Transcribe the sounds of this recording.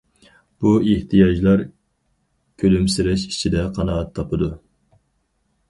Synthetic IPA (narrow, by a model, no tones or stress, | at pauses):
b̥ueht̪ʰijɑd͡ʒlˠɑɾ | kʲʰølymsɪɾɛʃkʲʰi̥t͡ʃʰid̪ɛqʰɑnɑɑt̪ʰːɑpɨd̪u